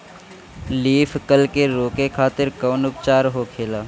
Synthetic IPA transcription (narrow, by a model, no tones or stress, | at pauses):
liːfʰkəlkeɾoːkekʰaːt̪ɪɾkəːnʊpt͡ʃaːɾɦokʰeːlaː